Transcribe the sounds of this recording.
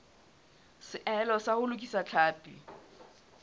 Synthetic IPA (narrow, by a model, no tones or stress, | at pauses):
sɪʔɛlɔsahʊlʊkʼisat͡ɬʰaːpʼi